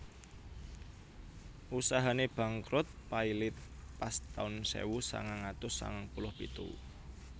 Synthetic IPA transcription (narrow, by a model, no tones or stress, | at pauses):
ʔusaɦaneb̥a̤ŋkɾʊt̪̚pailɪt̪̚past̪aʊnsḛwusa̰ŋaŋat̪ʊsːa̰ŋaŋpulʊhpit̪ṵ